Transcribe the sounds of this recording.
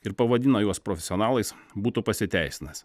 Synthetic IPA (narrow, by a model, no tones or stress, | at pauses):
ɪɾpɐʋɐd̪ʲɪnoːjuɔspɾoːfʲɛsʲoːnɑːlˠɐɪsbuːt̪upɐsʲɪt̪ʲæˑɪsʲɪnɐs